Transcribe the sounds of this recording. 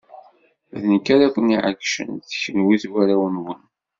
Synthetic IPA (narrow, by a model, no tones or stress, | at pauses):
ðənkːaɾækʷəniʕə̰kʃə̰nθçənwiθwæɾæwənwən